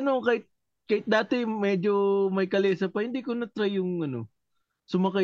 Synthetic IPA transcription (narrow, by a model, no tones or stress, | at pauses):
ɐno̞kaːhɪt̪̚ | kɐhɪt̪̚d̪aːt̪ɛmɛd͡ʒo̞mɐjkɐlɛːsɐpɐhɪnd̪ikonɐt̪ɾajːʊŋɐno̞̰ | sʊmɐkɐ